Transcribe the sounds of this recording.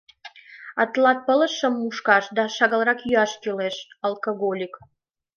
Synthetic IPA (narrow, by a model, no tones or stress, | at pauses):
ɑt̪lɑt̪̚pələ̆ʃəmːuʃkɑʃd̪ɑʃɑɣəlˠɾɑkjyɑʃkeleʃ | əlˠkoɣolʲik